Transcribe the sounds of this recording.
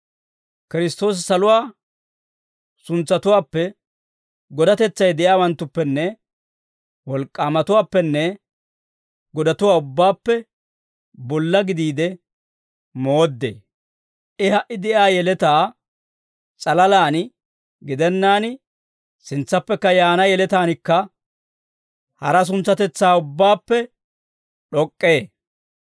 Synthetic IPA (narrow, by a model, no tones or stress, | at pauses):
kɪɾɪst̪o̞ːs̬sɐlʊwaː | sʊnt͡sːɐt̪ʊwaːpːɛ | ɡɔd̪ɐt̪ɛt͡sːɐjd̪ɛʔjaːwɐnt̪ːʊpːɛnːɛ | wɔlkʼːaːmɐt̪ʊwaːpːɛnːɛ | ɡɔd̪ɐt̪ʊwaːʊbːaːpːɛ | bɔlːɐɡɪd̪iːd̪ɛ | mo̞ːd̪ːḛː | ʔɪɦɐʔɪd̪ɛʔaːjɛlɛt̪aː | t͡sʼɐlɐlaːn | ɡɪd̪ɛnːaːn | sɪnt͡sːɐpːɛkːɐjaːnɐjɛlɛt̪aːnɪkːɐ | hɐɾɐs̬ʊnt͡sːɐt̪ɛt͡sːaːʊbːaːpːɛ | ɗɔkʼːe̞ː